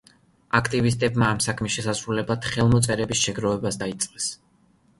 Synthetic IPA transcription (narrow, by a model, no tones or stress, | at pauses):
akʰt̪ʼivist̪ʼɛbmaːmsakʰmisʃɛsasɾulɛbad̪̥χɛlˠmɔt̪sʼɛɾɛbisʃɛɡɾɔvɛbasd̪ait̪sʼqʼɛs